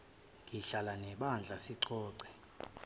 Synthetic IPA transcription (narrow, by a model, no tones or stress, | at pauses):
ŋʱiɬalanɛɓand͡ɮʱasiǀɔːǀɛ